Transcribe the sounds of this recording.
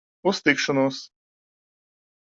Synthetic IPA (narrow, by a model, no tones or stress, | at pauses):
ust̪ikʃɔnuɔs